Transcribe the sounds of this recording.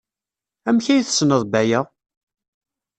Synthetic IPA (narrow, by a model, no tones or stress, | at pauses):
æmçæjθə̥snəðˤbæjæ